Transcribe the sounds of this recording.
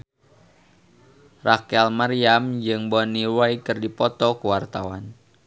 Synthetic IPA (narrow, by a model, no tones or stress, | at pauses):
rʔakɛlmariamd͡ʒɨŋbɔniwajkɨrdipɔt̪ɔkuwart̪awan